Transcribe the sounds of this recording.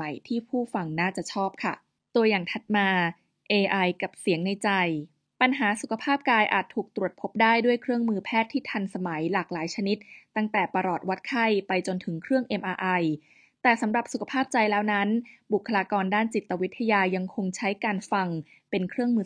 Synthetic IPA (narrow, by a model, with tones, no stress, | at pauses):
a˩˦jt̪ʰiː˥˩pʰuː˥˩fa˧ŋnaː˥˩t͡ɕa˨˩ʔt͡ɕʰɔː˥˩p̚kʰa̰˥˩ | t̪u˧əjaː˨˩ŋt̪ʰa˨˩t̪̚maː˧ | ʔeː˧ʔa˧jka˨˩p̚si˩˦əŋna˧jt͡ɕa˧j | pa˧nɦaː˩˦su˨˩kʰa˧pʰaː˥˩p̚kaː˧jʔa̰ː˨˩t̪ʰːuː˨˩k̚t̪ɾu˨˩ət̪̚pʰo˦˥p̚daː˥˩jdu˥˩əjkʰɾɯ˥˩əŋmɯː˧pʰɛː˥˩t̪ʰːiː˥˩t̪ʰa˧nsa˧ma˩˦jlaː˨˩k̚laː˨˩˦jt͡ɕʰa˧ni˦˥t̪̚ːa˥˩ŋt̪ɛː˨˩pa˧ɾɔː˨˩t̪̚wa˦˥t̪̚kʰa˥˩jpa˧jt͡ɕo˧nt̪ʰɯ˩˦ŋkʰɾɯ˥˩əŋʔe˧mʔaː˧ʔa˧j | t̪ɛː˨˩sa˩˦mɾa˨˩p̚su˨kʰa˧pʰaː˥˩p̚t͡ɕa˧jlɛː˦˥wna˦˥nbu˨˩kʰːa˧laː˧kɔː˧ndaː˥˩nt͡ɕi˨˩t̪ːa˧wi˦˥t̪ʰːa˧jaː˧ja˧ŋkʰo˧ŋt͡ɕʰa˦˥jkaː˧nfa˧ŋ | pe˧nkʰɾɯ˥˩əŋmɯː˧